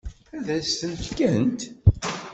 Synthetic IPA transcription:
æðæst̪ənfkænt̪

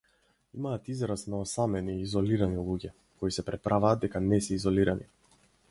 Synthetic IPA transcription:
imaːt̪izɾasnaɔsamɛniːzɔliɾanilˠuɟʲɛ | kɔisɛpɾɛpɾavaːd̪ɛkanɛsɛizɔliɾanḭ

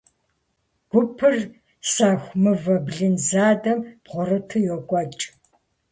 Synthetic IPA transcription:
ɡ̥ʷʊpʰɨr | saːxʷmɨvɐbɮɨnzaːdɐmpʁʷɔrɨtʰɨjɔkʷʼɔt͡ʃʼ

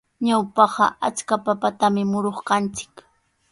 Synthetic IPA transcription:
ɲawpɑɢɑ̰ʔat͡skapapat̪amɪmʊɾoχqɑnt͡sɪ̥k

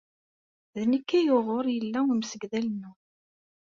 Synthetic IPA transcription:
ðnəkːæjoʁoɾˤjəlːæwimsəɡðælənːʊ

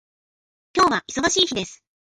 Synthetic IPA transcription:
kʲo̞ːβaʔiso̞ɡaɕiːçid̪e̞sɨ̥

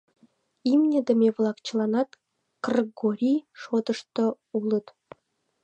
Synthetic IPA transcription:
imnʲə̆d̪ə̆meβlˠɑkt͡ɕə̆lˠɑnɑt̪ | krɡoɾʲiʃod̪ə̆ʃt̪ŏ | ulə̆t̪

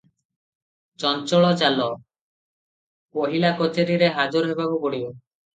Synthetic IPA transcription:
t͡ʃɔnt͡ʃɔɭɔt͡ʃalɔ | poɦilakɔt͡ʃeɾiɾeɦad͡ʒɔɾɔɦebabubɔɽiu

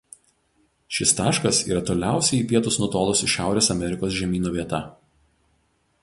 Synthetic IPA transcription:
ʃʲɪst̪ɑːʃkɐsḭːɾɐt̪oːlʲæˑʊsʲɛɪiːˑpʲiɛt̪ʊsnʊt̪oːlˠʊsʲɪʃʲæˑʊɾʲeːsɐmʲɛɾʲɪkoːs̬ʒʲɛmʲiːnuːʋʲiɛt̪ɐ

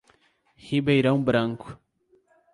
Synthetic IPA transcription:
hibajɾɐw̃bɾaŋku̥

